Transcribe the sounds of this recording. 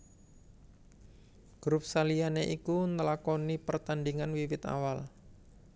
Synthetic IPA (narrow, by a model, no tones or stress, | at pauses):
ɡ̥ɾup̚salianeʔikunəlakɔnipərt̪andiŋanwiwɪt̪a̰wal